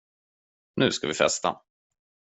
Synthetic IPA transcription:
nʉ̟ːskavɪfɛ̰st̪ʰa̰

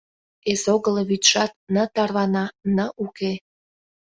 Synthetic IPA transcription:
esoɣələβyt̪ʃɑt̪̚nət̪ɑrβɑnɑnəʔuke

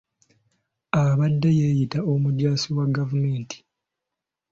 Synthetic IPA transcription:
aβadːejejitaomudjaːsiwaɡavumeːnti̥

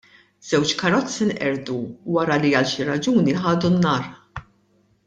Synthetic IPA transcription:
z̥ɛwt͡ʃkɐɾɔt͡sːinʔɛɾd̪uwɐɾɐliɐlʃiɾɐd͡ʒuːniħɐːd̪unːɐːɾ

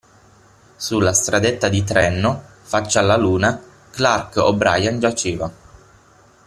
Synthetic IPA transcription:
sulːast̪ɾad̪et̪ːad̪it̪ɾɛnːo | fat͡ʃːalːaluːna | klarko̰bɾa̰jand͡ʒat͡ʃeːva

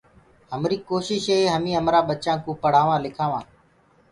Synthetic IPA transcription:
ɦəmɾiːkoːʃɪʃɦeːɦəmĩːɦəmɾaːɓət͡ʃãːkũːpəɽ̤aːʋãːlɪkʰaːʋãː

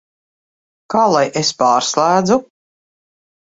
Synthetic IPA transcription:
kaːlˠajʔespaːɾslˠæːd̪zu

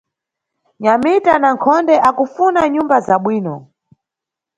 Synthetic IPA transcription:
ɲamitanaŋkʰɔndɛʔakufunaɲumbazaɓwiːnɔ

